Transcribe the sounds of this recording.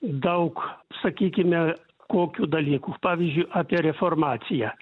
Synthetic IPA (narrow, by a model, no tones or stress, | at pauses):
d̪ɐʊksɐkʲiːkʲɪmʲɛ | koːkʲuːd̪ɐlʲiːkuːpɑːʋʲiːzʲd͡ʒʲʊɪʔɑːpʲiɛɾʲɛformɑːt̪sʲɪjæː